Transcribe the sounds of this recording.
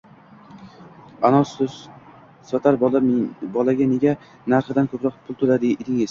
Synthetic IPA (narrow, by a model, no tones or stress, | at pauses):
anɒs | sɒt̪ʰaɾ | bɒlaɡʲane̞ɡʲa | naɾχɪd̪ankʰɵpɾɒqpʰʊlˠt̪ʰʊlad̪ɪːlɪŋes